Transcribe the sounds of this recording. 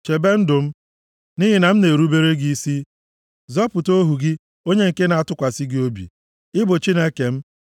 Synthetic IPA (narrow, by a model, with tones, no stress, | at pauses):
t͡ʃe˨be˦n̩˦dʊ˨m̩˦ | ni˦ɦi˨na˨m̩˦ne˨ɾu˦be˦ɾe˦ɡi˦i˦si˦ | zɔ˦pʊ˨to˦ɦu˨ɡɪ˦ | o˦ɲe˦ŋ̩˨ke˦na˨a˨tʊ˦kʷa˨si˦ɡɪ˦o˦bḭ˨ | ɪ˦bʊ˨t͡ʃi˦ne˦ke˨m̩˦